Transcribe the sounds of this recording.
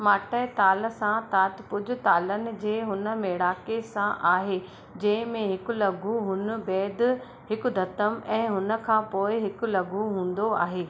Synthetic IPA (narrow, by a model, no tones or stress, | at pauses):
maːʈəɪt̪aːlsãt̪aːt̪pʊd͡ʑʱʊ̆t̪aːlənɪ̆d͡ʑeːɦʊnə̆meːɽaːkesãʔaːɦeː | d͡ʑɐ̃ɦɪ̃mẽɦɪkʊlɐɡʱuɦʊnə̆bɛːd̪̆ | ɦɪkʊ̆d̪ʱɐt̪əmɛ̃ːɦʊnə̆kʰãːpoːɪɦɪkʊlɐɡʱuɦũːn̆d̪oa̰ːɦeː